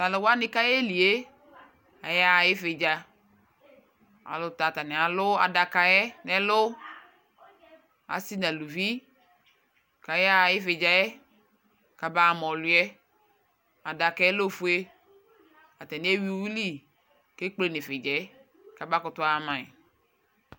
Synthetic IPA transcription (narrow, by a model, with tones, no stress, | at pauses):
ta˨lo˨wa˦nɪ˦ka˦jɛ˦li˨e˦ | a˨ja˦˨jɪ˦fe˨d͡ʒa˨ | a̰˨lʊ˨ta˨ta˨nɪ˨a˨lʊ˦a̰˨da˨ka˨jɛ˦nɛ˦lʊ˦ | a̰˨si˦na˨lu˨vi˦ | ka˨ja˦˨jɪ˦fe˨d͡ʒa˨jɛ˦ | ka˨ba˦˨mɔ˨lʊ˨˦ɛ˦ | a˨da˨ka˦ɛ˦lo˦fu˦e˦ | a̰˨t̪a˨ne˦e˦wi˦wi˦li˦ | ke˦k͡ple˨ne˨fe˨d͡ʒɛ˨ɛ˦ | ka˨ba˦kʊ˨t̪ʊ˦a˦˨mã˨ɛ̰˨